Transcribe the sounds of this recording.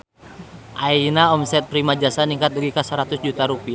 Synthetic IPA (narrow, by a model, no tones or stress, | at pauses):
ʔainaɔmsɛt̪̚pɾimad͡ʒasaniŋkat̪̚dəɡikasəɾat̪usd͡ʒut̪aɾupia